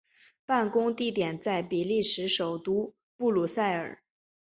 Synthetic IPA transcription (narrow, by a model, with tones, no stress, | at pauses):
pa˥˩nkʊ˥ŋt̪i˥˩t̪jɛ˨˩nt͡sa˥˩ɪpi˨˩li˥˩ʂɻ̩˧˥ʂo˨˩ʊt̪u˥ | pu˥˩lu˨˩sa˥˩ɪə̰˞˨˩˦